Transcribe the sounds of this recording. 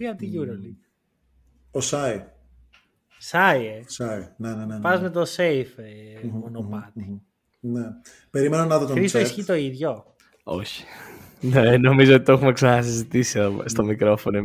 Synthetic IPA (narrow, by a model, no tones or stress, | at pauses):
iɐt̪iʝuɾoli | osɐi | sɐiesɐinenenepɐzmet̪osejfmonopɐt̪i | ne | pe̞ɾimenonɐðot̪oɾisoisçit̪o̞iðʝo | o̞çi̥ | neno̞mizoot̪i̥t̪o̞xumeksɐnɐsizit̪isiðost̪o̞mikɾo̞fo̞no